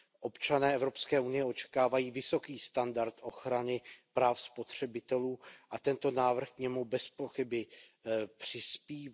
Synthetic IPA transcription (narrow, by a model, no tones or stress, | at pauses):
ʔo̞pt͡ʃanɛːɛvɾo̞pskɛːunɪjɛo̞t͡ʃɛ̥kaːvajiːvɪso̞kiːst̪andaɾt̪ʔo̞xɾanɪpɾaːfspo̞t̪r̝̥ɛbɪt̪ɛluːʔat̪ɛnt̪o̞naːvr̩xkɲɛmubɛspo̞xɪbɪ | pr̝̥ɪspiː